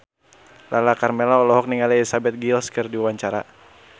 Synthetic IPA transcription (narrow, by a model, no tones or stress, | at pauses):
lʔalakarmɛlaɔlɔɦɔk̚niŋalilisabɛt̪̚ɡilskɨrdiwaɲt͡ʃaɾa̰